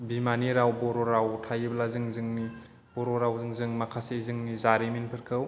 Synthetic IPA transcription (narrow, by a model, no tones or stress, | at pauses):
bimaniɾawbɔɾɔɾawtʰajɯblazɯŋzɯŋni | b̥ɔɾɔɾawzɯŋzɯŋmakʰasezɯŋnizaɾimenpʰɯɾkʰɯw